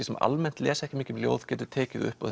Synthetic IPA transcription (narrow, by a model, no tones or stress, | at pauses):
isɛma̰lmɛn̥t̪lɛːsɛhcɪmiːcʏmljo̰ːwð̥cɛːt̪ʏɾt̪ʰɛːcɪðʏ̰hpɔ